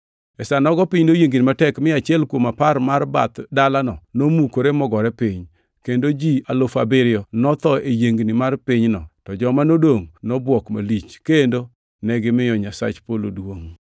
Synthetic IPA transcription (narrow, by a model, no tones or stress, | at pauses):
ɛsanɔɡɔpɪɲnojeŋɡinimatɛkmɪat͡ʃɪɛlkwomaparmarba̰t̪dalanɔnomukoɾemɔɡɔɾɛpɪɲ | kendod͡ʒialofabɪɾɪɔnɔt̪ɔejeŋɡnimarpɪɲnɔtɔd͡ʒɔmanodoŋnɔbwɔkma̰lit͡ʃkendo | nɛɡɪmɪjɔɲasa̰t͡ʃpolodwoŋ